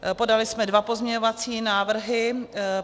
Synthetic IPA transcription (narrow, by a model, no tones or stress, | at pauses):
po̞dalɪsmɛdvapo̞zmɲɛɲovat͡siːnaːvr̩ɦɪ